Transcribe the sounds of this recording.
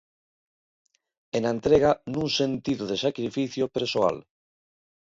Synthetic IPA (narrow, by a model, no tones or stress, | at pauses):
enaent̪ɾeɣanũŋsent̪iðoðesakɾifiθjopeɾsoa̰l